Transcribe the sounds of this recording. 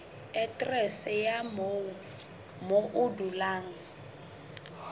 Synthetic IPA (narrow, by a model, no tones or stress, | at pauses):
ɛtʼrɛsɛjam | moʔʊdulaːŋ̩